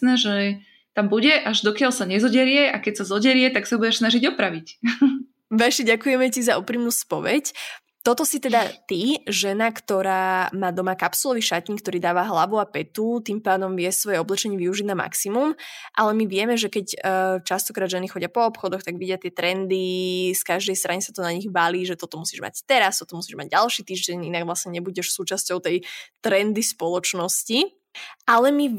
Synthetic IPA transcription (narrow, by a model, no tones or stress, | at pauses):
nɛʒɛ | t̪ambuɟɛʔaʒd̪ɔkɪaʎsaɲɛzɔɟɛɾɪjɛʔakɛcsazɔɟɛɾɪɛt̪aksaubuɟɛʃsnaʒiɟɔpɾaʋic | ʋɛʃiɟakujɛmɛcizauːpɾiːmnuːspɔʋɛ̰c | t̪ɔt̪ɔsit̪ɛd̪at̪iʒɛnakt̪ɔɾaːmaːd̪ɔmaːkapsulɔʋiʃat̪ɲiːk̚t̪ɔɾiːd̪aːʋaɦlaʋuapɛt̪ut̪impaːd̪ɔmʋɪɛsʋɔjɛɔblɛt͡ʃɛɲɪɛʋiuʒiɟnama̰ksimumʔalɛmiʋɪɛmɛʒɛkɛcːt͡ʃast̪ɔkɾaːd̪ʒɛnixɔɟɪapɔːpxɔd̪ɔxt̪aɡʋiɟɪat̪ɪɛt̪ɾɛnd̪iskaʒd̪ɛjst̪ɾaɲɛsat̪ɔnaɲiɣʋaliːʒɛt̪ɔt̪ɔmusiːʒma̰ɟt̪ɛɾast̪ɔt̪ɔmusiːʒma̰ɟ̚ɟalˠʃiːt̪iːʒɟɛɲinaɡʋlasɲɛɲɛbuɟɛʃsuːt͡ʃascɔʊt̪ɛjt̪ɾɛnd̪ispɔlɔt͡ʃnɔsci | ʔalɛmi